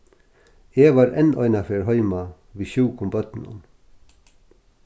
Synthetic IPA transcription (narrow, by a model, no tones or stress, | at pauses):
eːʋɑːɾɛnʔœʏnɑfeːɹɦœʏmɑ | ʋiːʃʉːkʰʊmbœt̪n̩ʊ̰n